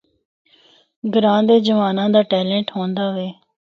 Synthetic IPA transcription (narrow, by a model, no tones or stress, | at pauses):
ɡəɾãːnd̪eːd͡ʒəʋaːnãːd̪aːʈɛːlẽːɳʈɦõːnd̪aːʋeː